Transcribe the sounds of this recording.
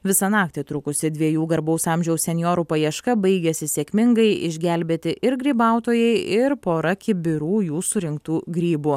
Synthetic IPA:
ʋʲɪsɐnɑːk̚t̪ʲɪt̪ɾʊkʊsʲɪd̪ʲʋʲiɛjuːɡɐɾbɐʊsɑːmʲʒʲɛʊssʲɛnʲjoːɾuːpɐjiɛʃkɐbɐɪɡʲɛsʲɪsʲeɛkʲmʲɪŋɡɐɪʔɪ̰ʒʲɡʲælʲbʲeːt̪ʲɪʔɪɾɡɾʲiːbɑˑʊt̪oːjɛɪɪɾpoːɾɐkʲɪbʲɪɾuːjuːsʊɾʲɪŋk̚t̪uːɡɾʲiːbuː

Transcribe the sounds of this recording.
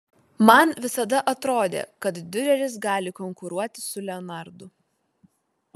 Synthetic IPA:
mɐnʋʲɪsɐd̪ɐʔɐt̪ɾoːd̪ʲḛːkɐt̪d̪ʲʊɾʲɛɾʲɪsɡɑːlʲɪkɔŋkʊɾuɔt̪ʲɪsʊlʲɛɔnɐɾd̪ʊ

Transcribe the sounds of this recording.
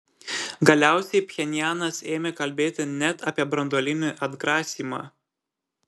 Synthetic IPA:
ɡɐlʲæˑʊsʲɛɪpʲxʲɛnʲɪjæːnɐseːmʲeːkɐlʲbʲeːt̪ʲɪnʲɛt̪ɐːpʲiɛbɾɐnd̪oːlʲɪnʲɪʔɐd̪ɡɾɑːsʲiːmɑ̰ː

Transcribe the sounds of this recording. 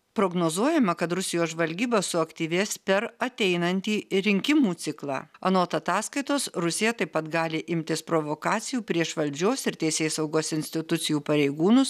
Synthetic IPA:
pɾoːɡnoːzuɔjɛmɐkɐt̪ɾʊsʲɪjoːsʒʋɐlʲɡʲiːbɐsʊɐkt̪ʲiːʋʲeːspʲɛɾɐt̪ʲɛɪnɐnʲt̪ʲiːɾʲɪŋʲkʲɪmuːt̪sʲɪklˠɑ̰ːɐ̰noːt̪ɐt̪ɑːskɐɪt̪oːsɾʊsʲɪjɛt̪ɐɪpːɐt̪ɡɑːlʲɪʔɪmʲt̪ʲɪspɾoːʋoːkɑːt̪sʲɪjuːpʲɾʲiɛʃʋɐlʲd͡ʒʲoːsɪɾt̪ʲɛɪsʲeːsɐʊɡoːsɪnʲsʲt̪ʲɪt̪ʊt̪sʲɪjuːpɐɾʲɛɪɡuːnʊs

